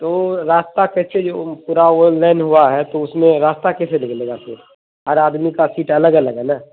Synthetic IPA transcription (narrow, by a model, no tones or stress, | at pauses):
t̪oːɾaːst̪akɛsʰed͡ʒoːpuːɾaoːllaːɪnɦuaɦɛt̪oʊsmẽɾaːst̪akɛːselɪkʰleːɡasʰḛː | ɦəɾaːd̪mikasiːʈɐləɡɐləɡɦɛnaː